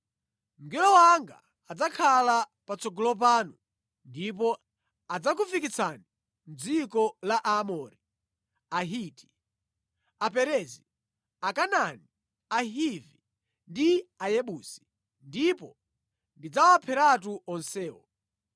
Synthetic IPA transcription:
ŋɡɛlɔwaŋɡa̰ | ad͡zakʰalapat͡sɔɡɔlɔp̬aːnu | ndipɔ | ad͡zakufikit͡sʰani | m̩d͡zikɔlaʔamɔɾi | aɦiːti̥ | apɛɾɛzi | akanani | aɦivi | ndiajɛɓuːsi̥ | ndipɔ | ndid͡zawapʰɛɾat̬uʔɔnsɛːwɔ

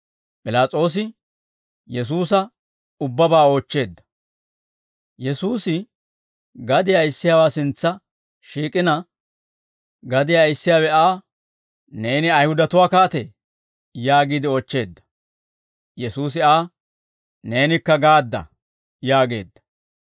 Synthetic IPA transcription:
pʼɪlaːt͡sʼo̞ːs̬ɪ | jɛs̬uːsɐ | ʊbːɐbaːo̞ːt͡ʃːe̞ːd̪ːɐ̥ | jɛsuːsɪ | ɡɐd̪ɪjaɪsːɪjaːwaːsɪnt͡sːɐ | ʃiːkʼɪnɐ | ɡɐd̪ɪjaɪsːɪjaːwɛaː | ne̞ːnɪɐjhʊd̪ɐt̪ʊwaːkaːt̪ɛ | jaːɡiːd̪ɪoːt͡ʃːe̞ːd̪ːɐ̥ | jɛsuːs̬ɪaː | ne̞ːnɪkːɐɡaːd̪ːɐ̰ | jaːɡe̞̰ːd̪ːɐ̥

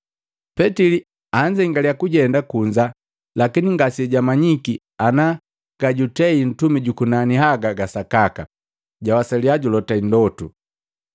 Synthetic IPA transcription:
pɛtili | aɲd͡ʒɛiŋɡaliakuɟɛndakuɲd͡ʒa | lakiniŋɡasiɛɟamaɲiki | ana | ɡ̥aɟutɛin̩tumiɟukunaniɦaɡaɡasakaka | ɟawasaliaɟulɔtaindɔtu

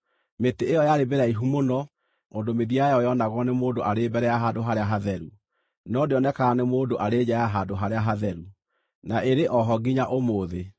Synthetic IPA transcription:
meteejɔjaɾebeɾaiɦumonɔ | ondomeðiajɔjɔnaɣɔnemoːdoʔaɾebɛɾɛaɦadoɦaɾeaɦaðɛɾu | nɔdeɔnɛkaːnemoːdoʔaɾeːd͡ʑajaɦadoɦaɾeaɦaðɛɾu | naʔeɾeʔɔɦɔɡiɲaʔomoːðe

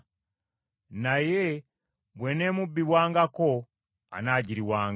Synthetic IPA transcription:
naje | bweneːmubːiβwaːŋɡako | a̰naɟiɾiwaːŋ

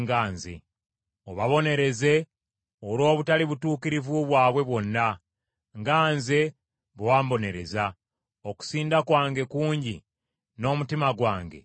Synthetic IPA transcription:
ŋɡaːnzḛ | oβaβo̞ne̞ɾe̞ze̞ | olo̞ːβutaliβutuːkiɾivuβwaːβwe̞βwo̞nːa | ŋɡaːnze̞ | βwaːmbo̞ne̞ɾe̞̰za | o̞ku̥siːndakwaːŋɡe̞kuːɲɟḭ | no̞ːmutimaɡwaːŋɡe̞̰

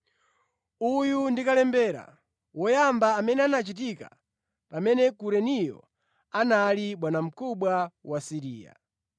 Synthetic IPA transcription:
ujundikalɛmbɛːɾa̰ | wɔjambaːmɛnɛanat͡ʃit̬ika̰ | pamɛnɛkuɾɛnijɔ̰ | analiɓwanam̩kʰuɓwawasiɾiːja̰

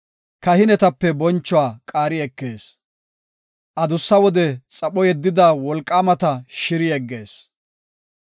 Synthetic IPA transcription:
kɐhɪnɛt̪ɐpːɛbɔnt͡ʃːɔwaːkʼaːɾɪɛkːe̞ːs | ʔɐd̪ʊsːɐwɔd̪ɛt͡sʼɐɓɔjɛd̪ːɪd̪ɐwɔlkʼːaːmɐt̪ɐʃɪɾɪjɛɡːe̞ːs

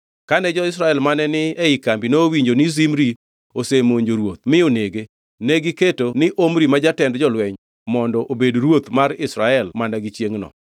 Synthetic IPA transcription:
kanɛd͡ʒɔɪs̬ɾaɛlmanɛnɪɛɪkambinoːwiɲd͡ʒonɪzimɾi | osemoɲd͡ʒoɾwot̪̚mɪoneɡe | nɛɡɪketonɪʔomɾimad͡ʒatɛndd͡ʒɔlwɛɲ | mɔndɔʔobedɾwot̪maɾɪsɾaɛlmanaɡit͡ʃjeŋnɔ̰

